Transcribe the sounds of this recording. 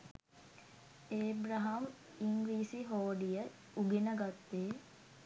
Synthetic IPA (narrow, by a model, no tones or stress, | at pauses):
eːbɾaɦam | iŋɡɾiːsiɦoːɖijə | uɡenəɡat̪ːeː